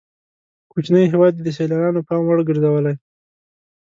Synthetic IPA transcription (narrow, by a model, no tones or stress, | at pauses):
kut͡ʃnəjɦewɑd̪jed̪əs̬elɑɾɑnopɑmwaɽɡəɾzawəlaj